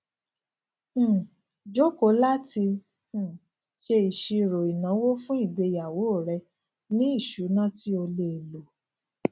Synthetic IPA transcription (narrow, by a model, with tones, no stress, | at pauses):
d͡ʒo˦ko˨˦la˦tĩ˧˨ | ʃe˧i˨ʃi˧˨ɾo˨i˨nã˨˦wo˦fũ˦i˦˨ɡ͡be˨˧ja˨wo˨˦o˦˨ɾɛ˧ | nĩ˦i˦˨ʃu˨˦nã˦ti˦o˧le˧˨lo˨